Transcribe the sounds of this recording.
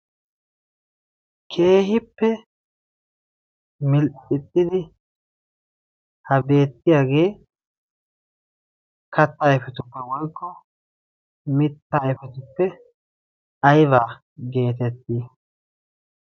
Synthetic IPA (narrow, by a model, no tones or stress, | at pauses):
kʰe̞ːɦɪpːɛ | mɪlʔʼɪt̪ʼːɪd̪ɪ | hɐbe̞ːt̪ːɪjaːɡe̞ː | kʰɐt̪ːɐɛfɛt̪ʊpːɛwɔjkːɔ | mɪt̪ːaːɛfɛt̪ʊpːɛ | ɐjβaː | ɡe̞ːt̪ɛt̪ːiː